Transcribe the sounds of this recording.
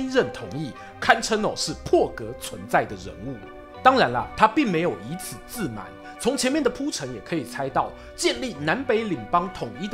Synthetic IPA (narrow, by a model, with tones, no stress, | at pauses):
nɻə˥˩nt̪ʰʊ˨˩˦ŋi˥˩ | kʰa˥˧nʈ͡ʂʰə˥nə̰˨˩ʂɻ̩˥˩pʰwɔ˥˩kɤ˧˥t͡sʰwə̰˧˦nt͡sa˥˩ɪd̪ə˩ɻə̰˧˥nu˥˩ | t̪ɑ˥ŋɻa˧˦nlə̰˧t̪ʰa˥pi˥˩ŋme˧ɪjo˨˩ʊi˧˥t͡sʰɹ̩˨˩t͡sɹ̩˥˩ma̰˨˩˦ɪ | t͡sʰʊ˧˥ŋt͡ɕʰjɛ˧˦nmjɛ˥˨˩nd̪ə˩pʰu˥ʈ͡ʂʰə˧˥ŋjɛ˨˩kʰɤ˧˥i˨˩t͡sʰa˥ɪt̪ɑ˥˩ʊ | t͡ɕjɛ˥˧nli˥˩na˧˦˥npe˧˥ɪli˨˩ŋpɑ˥ŋt̪ʰʊ˨˩ŋi˥d̪